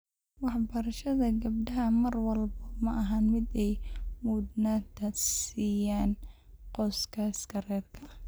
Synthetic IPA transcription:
wɑħbɐɾɐʃɐðɐɡɐb̚ɖɐɦɐmɐrwɑlbɐmɐʔɐɦanmɪd̪ɛjmuːd̪naːt̪ʰɐsiːjaːn | qɔːskʰaskʰɐrɛːrkʰɐɐ

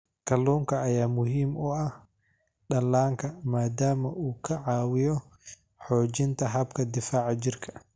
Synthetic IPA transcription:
kʰɐluːŋkʰɐːjaːmʊɦiːmʊɐh | ɗɐlːaːŋkʰɐmaːd̪aːmɐʔuːkʰɐʕɑːwɪjɔ | ħɔːt͡ʃɪnt̪ʰɐɦɐb̚kʰɐd̪ɪfaːʕɑt͡ʃɪrkʰɐ̥

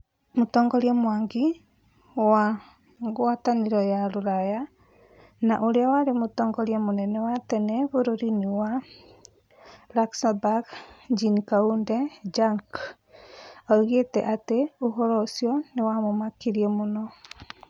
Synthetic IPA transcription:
motɔːŋɡɔɾjɛmwaŋɡi | wa | ŋɣwataniɾɔjaɾoɾaja | naʔoɾeawaɾemotɔːŋɡɔɾjamonɛnɛwatɛnɛβoɾoɾiniwa | ɾaksabaɡd͡ʒinikaundɛd͡ʒaŋk | aiɣetɛ̰ʔateoɦɔɾɔsiɔnewamomakiɾiɛmonɔ

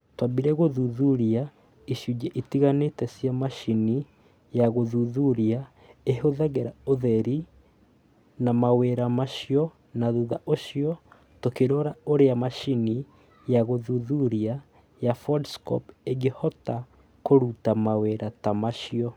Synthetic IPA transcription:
twabiɾɛɣoðuðuɾia | iʃuɟɛʔitiɣanetɛsjamaʃini | jaɣoðuðuɾa | eɦoðaɣeɾaoðɛɾi | namaweɾamaʃiɔ | naðuðaʔoʃiɔ | tokeɾɔɾaoɾeamaʃini | jaɣoðuðuɾia | jafɔdskɔ̰peɡehɔta | koɾutamaweɾatamaʃiɔ

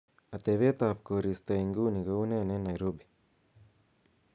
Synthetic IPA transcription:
at̪ɛβɛt̪afkoɾist̪aiŋɡuniɣaunɛnɛnajɾobi

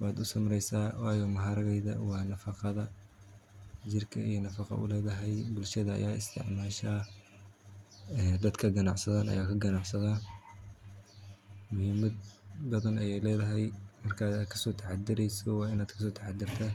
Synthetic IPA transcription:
waːd̪ʊsɐmɾɛjsaːwɑːjɔmɐɦaːɾɐɣɛjðɐ̰wɑːnɐfɑqɑðɐ | d͡ʒɪrkʰɐijɞnɐfɑqɑ̰ʔʊ̰lɛːðɐɦɛjbʊlʃɐðɐɐ̰jaːɪst̪ʰɪ̰ʕmaːʃaː | ɛːd̪ɐd̪kʰɐɡɐnɑʕsɐðaːnɐ̰jaːkʰɐɡɐnɑʕsɐðaː | mʊhimɐd̪bɐðɐnɐjɛjlɛːðɐɦɛjmɐrkʰaːaːd̪̚kʰɐ̥sɔːt̪ʰɐħɑd̪ɪɾɛjsɔwɑːɪnaːd̪kʰɐsɔːt̪ʰɐħɑd̪ɪrt̪ʰɐ

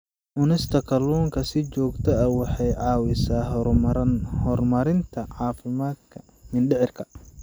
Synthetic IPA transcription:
ʔʊnɪst̪ʰɐkʰɐlɔːŋkʰɐsɪt͡ʃɔːɡt̪ʰɐɐwɑħɑjʕɑːwɪsaː | hɔrmɐɾɪnt̪ʰɐʕɑːfɪmaːd̪̚kʰɐ | mɪnɖɪʕɪrkʰɐ̥

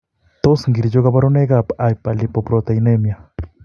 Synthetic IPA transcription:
t̪osŋɡiɾid͡ʒoɣaβaɾoneɣapajpalipopɾot̪ajnemja

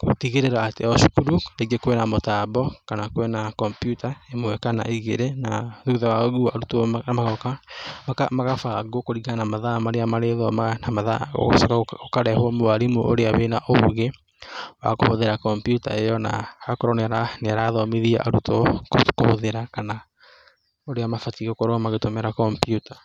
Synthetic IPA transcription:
ko̰tiɣeɾeɾaːteɔʃu̥kuɾuɾeɡekwɛnamotabɔkanakwɛnakɔmpjutaemoɛkana̰ʔiɣeɾenaðuðawaɣuaɾutomaɣɔkamakamaɣafaɡokoɾiɣanamaðamaɾeamaɾeðɔmanamaða̰o̰o̰sakaokaɾɛhwɔmoaɾemuʔo̰ɾeaβenaʔoɣe | wa̰ko̰hoðeɾakɔmpjuta̰ejɔna̰akoɾɔnɛɾaneaɾaðɔmeðia̰ʔaɾutokokohoðeɾakana | oɾeamafatiɣokoɾoamaɣetomɛɾakɔmpjutḁ

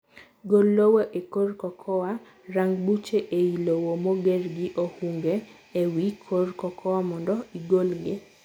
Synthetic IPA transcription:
ɡolːowoʔekorkɔkʰɔwa | raŋɡbut͡ʃeʔeilowomɔɡɛrɡɪʔohuŋɡe | ewikʰorkɔkʰɔwamɔndɔiɡolɡɪ

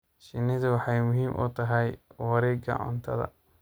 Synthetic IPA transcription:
ʃɪnɪðʊwɑħɑjmʊɦiːmʔʊ̰t̪ʰɐɦɛjwɐɾɛːɡɐ̰ʕʊ̰nt̪ʰɐ̰ðɐ̰

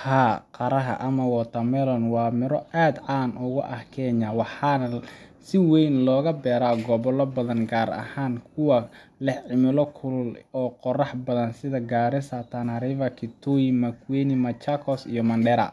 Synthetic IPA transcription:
haːqɑɾɐɦɐ̰ʔɐmɐwɔt̪ʰɐmɛlɔnwɑːmɪɾɔʔaːd̪aːnʊɣʊʔɐhkʰɛːɲawɑħɑnɐsɪwɛjnlɔːɣɐbɛːɾaːɡɔβɔlɔbɐðɐnɡaːɾɐ̰haːnkʰʊwɐ | lɛħʕɪmɪlɔkʰʊlʊlɔːqɔrɑħbɐðɐnsɪðɐɡaːɾɪsɐt̪ʰanɐɾivɐkʰɪt̪ʰujmɐkʰwɛnɪmɐt͡ʃakʰɔsḭjɔmɐnɖɛɾɐ̰

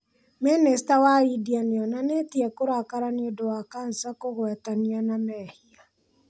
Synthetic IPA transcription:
mɛnɛstawaɾidianeɔnanetiɛkoɾakaɾaniodowakansakoɣwɛtanianamɛhia

